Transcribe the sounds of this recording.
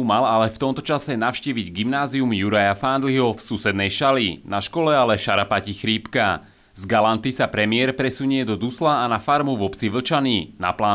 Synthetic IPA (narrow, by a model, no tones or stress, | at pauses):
umalalɛft̪ɔmt̪ɔt͡ʃasɛnaʊʃciːʋiɟɡimnaːziumjuɾajafand̪liɦɔfsusɛd̪nɛjʃalinaʃkɔlɛalɛʃaɾapacixɾiːpka | zɡalant̪isapɾɛmɪɛɾpɾɛsuɲiɛd̪ɔd̪uslaːnafaɾmuvɔpt͡siʋl̩t͡ʃaniːna̰plaː